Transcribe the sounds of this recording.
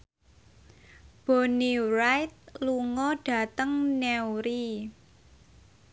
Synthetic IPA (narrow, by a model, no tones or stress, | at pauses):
b̥onirajt̪̚luŋɔɖ̥ä̤t̪əŋnɛwɾi